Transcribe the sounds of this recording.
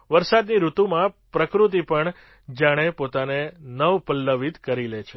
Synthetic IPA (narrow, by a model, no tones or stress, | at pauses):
ʋəɾsad̪niɾut̪umãpɾəkɾut̪̬ipəɳ | d͡ʒaɽ̃epot̪anenəʋpəlːəʋit̪kəɾilet͡ʃʰe